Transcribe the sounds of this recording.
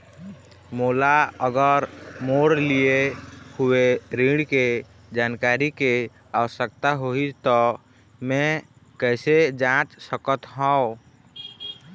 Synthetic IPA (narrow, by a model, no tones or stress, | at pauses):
moːlaəɡəɾmoɽliehueɾiɽke | d͡ʒaːnkaɾike | aʋəsək̚t̪aɦoit̪ɔ | mɛ̃ | kɛɪsed͡ʒãt͡ʃsəkət̪ɦɔ̃